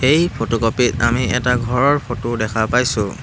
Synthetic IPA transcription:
xejpʰotokopitamiɛtaɡʱɔɹɔɹpʰotodɛkʰapajsʊ̃

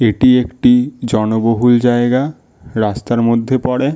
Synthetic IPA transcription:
eʈiekʈid͡ʑɔnoboɦuld͡ʑaeɡa | ɾast̪aɾmod̪ʱːepɔɽe

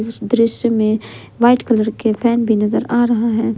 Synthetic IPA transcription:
d̪ɾɪʃjəmẽ | ʋaːɪʈkɐləɾkepʰɛːnbʱinɐzəɾaːɾɐɦaɦɛː

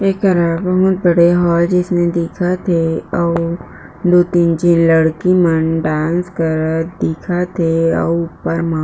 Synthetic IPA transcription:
eːkɐɾaːbɐɦʊt̪̚bɐɽeɦɔːld͡ʒɪsned̪eːkʰat̪ʰeɔː | d̪oːt̪iːnd͡ʒinləɽkimənɖãːnskəɾd̪eːkʰat̪ʰeɔ̰ːʊpːəɾmãː

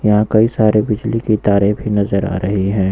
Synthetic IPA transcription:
jɐɦãkɐisaːɾebɪd͡ʒlikit̪aːɾiːfinɐzəɾa̰ːɾɐɦiɦɛ̃ː

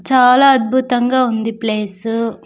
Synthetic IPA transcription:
t͡ʃaːlaːɐd̪̚bʱut̪ɐŋɡaːund̪ipleːsu

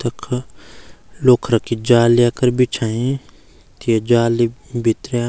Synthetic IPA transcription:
t̪ɐkʰ | loːkʰɾɐkid͡ʒaːliakɐɾbit͡ʃʰaẽ | t̪ʰied͡ʒaːlibit̪ɾea

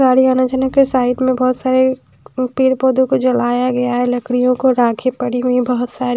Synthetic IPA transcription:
ɡaːɽiaːnat͡ʃanakesaːɪʈmẽbɔɦʊt̪saːɾe | piːɽpoːd̪õkod͡ʒɐlaːjaɡɐjaɦɛlɐkɽijõkoɾaːkʰepɐɽiɦuibɐɦʊt̪saːɾi

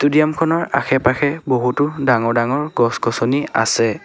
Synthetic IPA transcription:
tudijamkʰɔnɔɹa̰xʰɛpaxʰɛboɦutʊdaŋɔɹdaŋɔɹɡɔskɔsɔnia̰sɛ

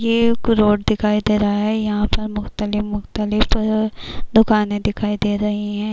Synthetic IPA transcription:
jeːkʊɾoːɖd̪ɪkʰaːid̪eːɾaɦaɦɛjɐɦãpɐɾmʊxt̪əlɪfmʊxt̪əlɪf | d̪ʊkaːnẽd̪ɪkʰaːid̪eːɾɐɦiɦɛ̃ː

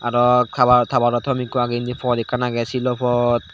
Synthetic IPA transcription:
aɾɔtʰabat̪ʰabaɾɔtʰɔmikɔaɡindipʰɔdikanaɡɛsilɔpʰɔt̚

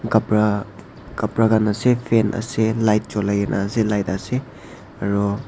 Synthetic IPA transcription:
ɡapɾa | ɡ̥ɐpɾaɡanɐsepʰenʔɐ̰selajt̚t͡ʃolajenʔa̰selajtase | ɐɾɔ

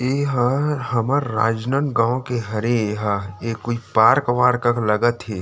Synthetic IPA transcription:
eːɦahɐməɾːa̰ːd͡ʒnənɡãːõkeɦɐɾẽeɦaeːkoipaːɾkʋaːɾkəklɐɡət̪ɦeː

